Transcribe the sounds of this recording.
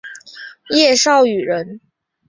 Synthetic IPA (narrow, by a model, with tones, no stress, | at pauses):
jɛ˥˧ʂɑ˥˩ʊy˨˩ɻə˧˥n